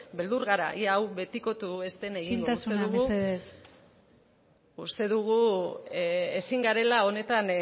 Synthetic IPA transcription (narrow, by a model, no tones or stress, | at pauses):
be̞ld̪uɾɣaɾa̰ʔiawβe̞t̪iko̞t̪ue̞st̪eneɣinut̪ausuenðuɣueðe | ust̪e̞ðuɣ̞u | esiŋɡaɾe̞lao̞ne̞t̪an